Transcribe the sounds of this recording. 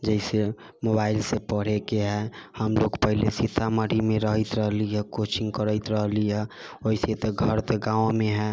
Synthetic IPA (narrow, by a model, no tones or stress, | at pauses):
d͡ʒɛɪse | mobaːɪlsepəɽ̤ekeɦɛhəmloɡpəɦilesit̪ʰaməɾimẽɾəɦət̪ɾəɦliɦɛkot͡ʃɪ̃ŋɡkəɾəɪt̪ɾəɦliɦɛoiset̪eɡʱəɾt̪eɡãːõmẽɦɛ